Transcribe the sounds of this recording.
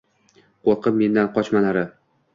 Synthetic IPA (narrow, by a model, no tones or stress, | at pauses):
qʰoɾqʰɨp̚me̞nd̪anqʰɒt͡ʃmanaɾɪ